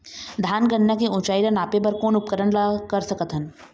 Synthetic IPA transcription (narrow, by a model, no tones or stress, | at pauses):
d̪ʱaːnɡəɳːakeʊ̃ːt͡ʃaːilanaːpebɐɾkoːnʊp̚kəɾəɳlakɐɾsɐkət̪ɦən